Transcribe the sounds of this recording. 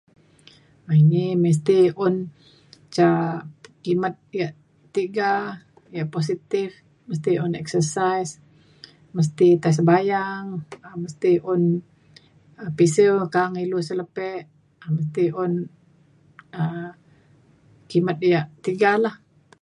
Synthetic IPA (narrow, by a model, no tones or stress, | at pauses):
ainiməs̬t̪iɔn | t͡ʃa | kimat̪̚ijaʔ | t̪iɡa | ijaʔpos̬it̪ɪf | məst̪iɔnɛksəsajs | məs̬t̪it̪as̬əbajaŋəməst̪iʊn | əpisəwkaŋilusələpɛʔ | məs̬t̪iʔʊn | ə | kimat̪̚jaʔt̪iɡalah